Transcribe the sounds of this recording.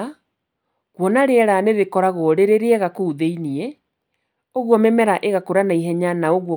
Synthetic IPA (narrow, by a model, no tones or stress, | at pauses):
ɣwɔnaɾeɛɾaneðekɔɾaɣɔɾeɾeɾeɛɣakouðeiniɛ | oɣwɔmɛmɛɾaʔeɣakoɾanaiɦɛɲanaoɣwɔ